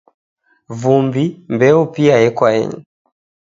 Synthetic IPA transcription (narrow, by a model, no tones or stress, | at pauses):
vumbimbɛupiaɛkwaɛ̰ɲɛ